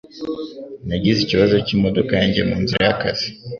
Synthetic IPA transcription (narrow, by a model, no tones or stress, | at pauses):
naɟiziciβaʒo̞ciːmo̞do̞kaaɲɟemuːnziɾajakaz̥i̥